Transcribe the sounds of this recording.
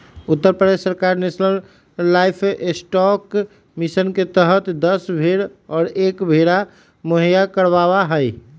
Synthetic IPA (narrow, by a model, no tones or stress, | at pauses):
ʊt̪ːəɾpɾəd̪essːəɾkaɾnesnəlː | aɪpʰesʈɔk | misənket̪əɦət̪d̪əsbʱeɽɔːɾeːkbʱeɽa | moɦijakəɾbawaɦəɪ